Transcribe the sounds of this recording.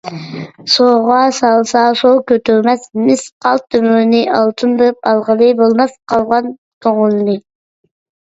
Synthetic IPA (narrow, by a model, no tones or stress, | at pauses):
soːʁɑsɑlˠsɑsokøt̪øɾmɛsmisqʰɑlˠt̪ʰːømøːniʔɑlˠt̪ʰɯnb̪ep̚ɑlˠʁɑlɯjbolˠmɑsqʰɑlˠʁɑn | k̪ʰoŋulni